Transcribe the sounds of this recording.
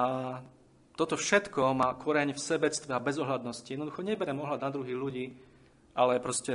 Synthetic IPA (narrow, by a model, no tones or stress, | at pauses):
a | t̪ɔt̪ɔfʃɛt̪kɔmaːkɔɾɛɲifsɛbɛt͡st̪ʋɛabɛzɔɦlad̪nɔsciɛd̪nɔd̪uxɔɲɛbɛɾɛmɔɦlad̪nad̪ɾuɦiɣʎuɟiː | ʔalɛpɾɔscɛ